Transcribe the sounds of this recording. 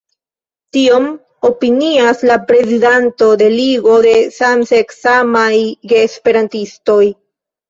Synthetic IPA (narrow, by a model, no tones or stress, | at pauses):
tio̞m | o̞piniaslapɾe̞zidanto̞de̞liɡo̞de̞samseksamajɡeːspe̞ɾantisto̞j